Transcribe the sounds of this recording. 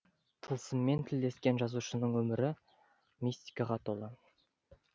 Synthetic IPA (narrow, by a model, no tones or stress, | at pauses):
t̪ʰəlˠsəmːe̞nt̪ʰɪld̪e̞skʲe̞nʒɑzuʃənəɴwɵmɪɾɪ | mist̪ʲi̥kɑʁɑt̪ʰolˠə